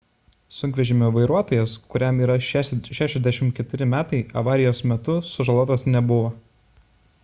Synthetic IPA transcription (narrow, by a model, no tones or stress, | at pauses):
sʊŋkʲʋʲɛʒʲɪmʲoʋɐɪɾuɔt̪oːjɛskʊɾʲɛmiːɾɐʃʃʲæːʃʲɛzd̪ʲæʃʲɪmkʲɛt̪ʊɾʲɪmʲæːt̪ɐɪɐ̰ʋɑːɾʲɪjoːsmʲɛt̪ʊsʊʒɐlˠuɔt̪ɐsnʲɛbʊʋo